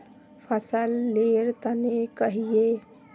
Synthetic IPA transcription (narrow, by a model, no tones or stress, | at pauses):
pʰəsəlːeɾt̪ənekəɦije